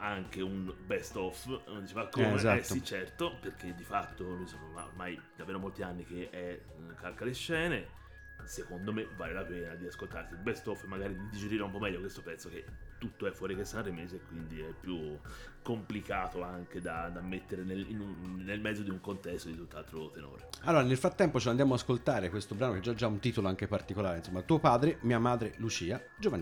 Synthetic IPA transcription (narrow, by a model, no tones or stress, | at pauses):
aŋkeunbɛst̪ɔfnond̪it͡ʃeːvakːomezaɛsit͡ʃɛrt̪operk̟ed̪ːifat̪ːonojsomoma̰o̰rmajd̪aveːɾomolt̪ianːikeʔɛ | kalkaleʃːɛːne | sekond̪omevaːlelapɛːnad̪iaskolt̪arsilbɛst̪ɔfmaɡaːɾid̪id̪id͡ʒeɾiːɾaumpɔmɛʎːokwest̪opɛt̪sok̟et̪ːut̪ːoɛfːwɔːɾikesːanrimeːzeːkːwind̪iɛpːjukːomplikaːt̪oaŋked̪ad̪amːet̪ːeɾenelinunːelmɛd̪zod̪iuŋkont̪ɛst̪od̪it̪ut̪ːoalt̪ɾot̪eno̰ːɾealːoːɾanelfɾat̪ːɛmpot͡ʃeland̪jaːmoaskolt̪aːɾekwest̪obɾaːnokeɛd͡ʒad͡ʒaunt̪iːt̪oloaŋkepart̪ikolaːɾeinsomːat̪uːopaːd̪ɾemiːamaːd̪ɾelut͡ʃiːa | d͡ʒovanː